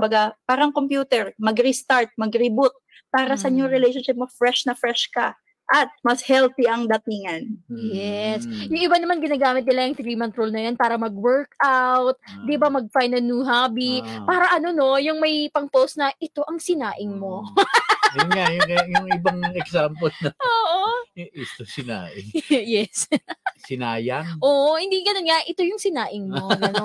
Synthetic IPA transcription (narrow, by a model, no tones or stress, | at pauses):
bɐɡapaːɾɐŋkompjuːt̪ɛɹmɐɡɾist̪aɹt̪̚mɐɡɾɪbut̪̚ | paːɾɐsɐʔɪɲoɾɪlejʃonʃɪp̚mofɾɛʃnɐfɾɛʃkɐ | ʔɐt̪̚mɐshɛlt̪iʔɐŋd̪ɐt̪iŋɐnjɛsjʊŋʔɪbanɐmanɡɪnaːɡaːmɪt̪̚nɪlɐjɐŋt̪ɾiːmɐnt̪ɾolnɐjanpaːɾɐmɐɡwɛɹkawt̪̚d̪ibɐmɐɡ̚fajnɐlnuːɦabipaːɾɐʔɐno̞no̞jʊŋmɐjpɐŋpowst̪̚nɐʔɪt̪o̞ʔɐŋsɪnaːʔɪŋmo̞ | jʊnŋajʊjʊŋɪbaŋɛɡsampolnɐoːʔoɪst̪osɪna̰ːʔɪ̰ŋjɛssɪnaːjɐnʔoːʔhɪnd̪iɡɐnonŋɐʔɪt̪o̞jʊŋsɪnaːʔɪŋmoɡɐno